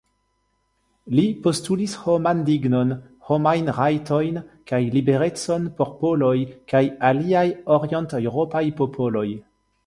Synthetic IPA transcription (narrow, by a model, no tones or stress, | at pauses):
lipo̞stulishomandiɡnon | homajnʁajto̞jnkajlibe̞ɾe̞t͡so̞npoɾpolo̞jkajaliajoʁiɔ̃ntawɾopajpopʰolo̞j